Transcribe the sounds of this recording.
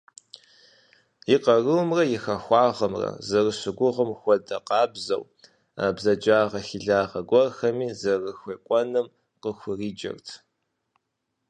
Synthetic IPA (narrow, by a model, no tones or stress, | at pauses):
jɪqɐrɨwmrɐjɪxɐxʷɑːʁɐmrɐ̰zɐrɨɕɪɡʷʊʁəmxʷɔdɐqɑːbzɐ̰w | a̰ːbzɐd͡ʒaːʁɐxiɮaːʁɐɡʷɔrxɐmiːzɐrɨxʷeːkʷʼɔnɨm | qəxʷʊriːd͡ʒɐ̰rtʰ